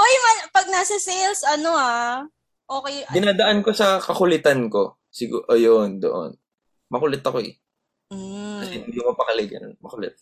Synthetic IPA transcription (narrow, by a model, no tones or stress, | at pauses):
ʔojmɐnpɐɡ̚nɐsɐsɛjlsɐnoa | ʔoːkɐjɡɪnaːd̪ɐʔanko̞sɐkɐkʊlɪt̪anko̞ | sɪɡṵʔojond̪o̰ʔo̰n | mɐkʊlɛt̪ːɐkoɛ̰ | kɐsɛɪnd̪ikomɐpɐkɐlɛɡɐ̰nonmɐkʊlɛt̪̚